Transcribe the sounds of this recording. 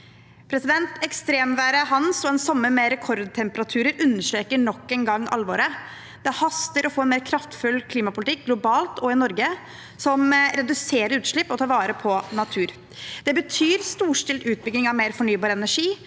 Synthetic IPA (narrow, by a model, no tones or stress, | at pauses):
pʰɾɛsɪd̪ɛnt̪ɛkst̪ɾeːmʋæːɾəɦɑnsɔɛnsɔmːəmɛɾɛkʰɔɾd̪̚t̪ʰɛmpəɾɑt̪ʰʉːɾəɾʉnːəʂʈɾeːkəɳɔkːɛnɡɑŋːʔɑ̰lːʋoːɾə | d̪̥ɛhɑst̪əɾɔfoːɛnmeːɾkʰɾɑft̪fʉlːkʰliːmɑpʊlt̪ɪk̚ɡlʊbɑːlt̪ʰɔɪnɔɾɡə | sɔmɾɛd̪ʉseːɾəɾʉːt̪ʂɭɪpːɔt̪ʰɑːɾʋɑːɾəpʰɔnɑt̪ʰʉːɾ | d̪̥ɛbət̪ʰyːɾst̪uːʂʈɪlt̪ʉːt̪̚bʏɡnɪŋɑʋmeːɾfɔɳyːbɑːɾɛnæʂiː